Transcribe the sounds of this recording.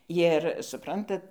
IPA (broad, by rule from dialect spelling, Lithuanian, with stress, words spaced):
jɪr sʊˈprɐntɐt